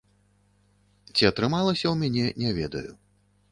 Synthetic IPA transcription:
t͡sʲiɐt̪ɾɨmalˠɐsʲɐwmʲanʲɛnʲɛvʲɛd̪ɐ̰jṵ

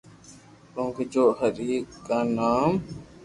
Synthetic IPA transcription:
kõːŋked͡ʒoːhəɾiːkkːaːnaːm

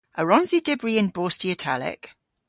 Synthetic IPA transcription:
ʔəɹɔ̃nzidɪbɹiɪ̃nboːˑstiətʰa̰lɪ̰k

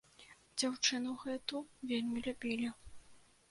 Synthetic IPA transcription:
d͡zʲawt͡ʂɨnɐwɣɛt̪uvʲelʲmʲilʲubʲilʲi

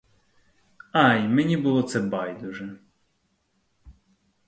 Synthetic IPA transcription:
ɑjmɛnʲibʊlˠɔt̪sɛbɑjd̪ʊʒɛ

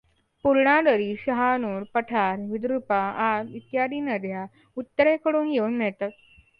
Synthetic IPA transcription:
puɾɳad̪əɾiːɕəɦanuːɽpəʈʰaɾʋid̪ɾupaaɾit̪jad̪iːnəd̪ʱja | ut̪ːəɾekəɽuːnjeunːɛɭt̪at̪̚

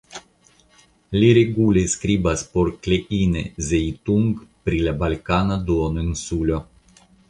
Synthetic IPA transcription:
lʲiɾeɡulʲeskɾibaspoɾklʲeʔinezejit̪uŋɡpɾilʲabalʲkanad̪uonɨnsulʲo

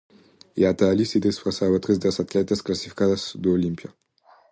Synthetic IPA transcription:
iat̪aːlʲisid̪esfʁasaːbat̪ʁezd̪elasat̪lɛt̪ɐsklasifi̥kad̪asd̪oolimpja

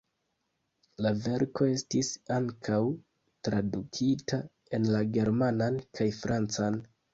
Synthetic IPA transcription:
lave̞ɾko̞e̞stisaŋkʰaw | tɾadukʰita | e̞nlaɡe̞ɾmanankʰajfɾant͡san

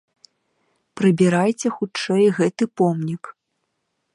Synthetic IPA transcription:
pɾɨbʲiɾajt͡sʲɛxut͡ʂɛjɣɛt̪ɨpɔmnʲik

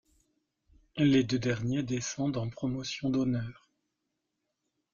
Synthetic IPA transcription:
led̪ød̪ɛʁnjed̪esɑ̃d̪ɑ̃pχɔmɔsjɔ̃d̪ɔnœːʁ

